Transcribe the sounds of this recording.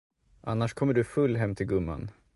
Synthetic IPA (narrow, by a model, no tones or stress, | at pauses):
ʔanːaʂkʰɔmːəɖɵfɵlːɦɛmːt̪ʰɪlɡɵmːa̰n